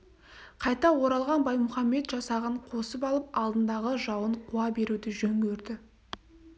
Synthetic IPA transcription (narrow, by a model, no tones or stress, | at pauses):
qʰɑjt̪ɑwo̞ɾɑlˠʁɑnbɑjmʊχɑmːe̞t̪ʒɑsɑʁəɴqʰo̞səpɑlˠəp̚ɑlˠd̪ənd̪ɑʁəʒɑwəɴqʰuɑbe̞ɾud̪ɪʒɵŋɡʲeɾd̪ɪ